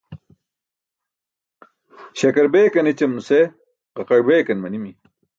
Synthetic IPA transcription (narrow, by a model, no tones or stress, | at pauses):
ɕɐkɐɾbeːkɐnet͡ɕɐmnuse | ʁɐqɐɽbeːkɐnmɐnimi